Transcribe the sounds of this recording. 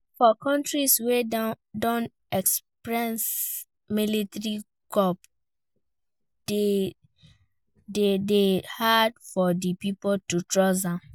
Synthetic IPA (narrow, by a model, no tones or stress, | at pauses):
fɔkʰɔ̃ntɹiswe | dɔ̃n | ɛkspɹɛ̃ns | militɹi | ɡɔp | de | dedehadfɔdipipɔtutɹɔsãm